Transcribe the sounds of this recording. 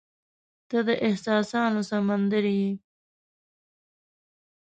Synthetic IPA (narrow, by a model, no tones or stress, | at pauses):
d̪̥ad̪əʔɪhsɑːsɑnosamand̪əɾiji